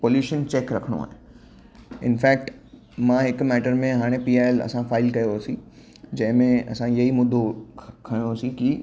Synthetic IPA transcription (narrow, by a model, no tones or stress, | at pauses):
poːljuːʃənt͡ɕeːkɾɐkʰəɽ̃o̰a̰ːɦẽ | ɪ̰nfɛːk̚ʈ | mãɦɪkmɛːʈəɾmẽɦaːɽ̃epiːaːelɐ̰sãfaːɪlkɐjoɦasĩ | d͡ʑɐ̃ɦɪ̃mẽɐ̰sãjɐɦimʊd̪ʱokʰɐj̃oɦsĩki